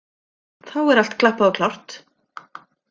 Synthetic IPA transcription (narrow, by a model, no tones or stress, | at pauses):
θawɛɾal̥t̪kʰlahpaðɔwkʰlawr̥t̪